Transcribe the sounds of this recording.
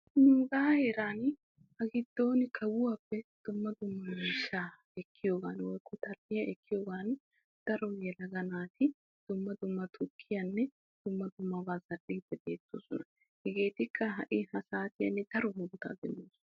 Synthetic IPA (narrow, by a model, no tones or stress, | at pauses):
nʊŋɡaːheːɾaːn | hɐɡɪd̪ːo̞ːnɪkʰɐwʊwapːɛd̪̥ʊmːɐd̪ʊmːɐmiːʃːaː | ɛkʰːɪjoːɡa̰ːnwɔjkʰʊt̪ʰɐlːɪjɐɛkːɪjoːɡaːn | d̪̥ɐɾɔjɛlɐɡɐnaːt̪ɪ | d̪̥ʊmːɐd̪ʊmːɐt̪ʰʊkʰːɪjɐnːɛ | d̪̥ʊmːɐd̪ʊmːɐbaːzɐʔiːpːɛbe̞ːt̪ːo̰ːsɔnɐ | hɛɡe̞ːt̪ɪkʰːɐɦɐʔɪhɐsaːt̪ɪjɐ̰nːɪd̪̥ɐɾɔɦʊnt̪a̰ːd̪ɛnːoːs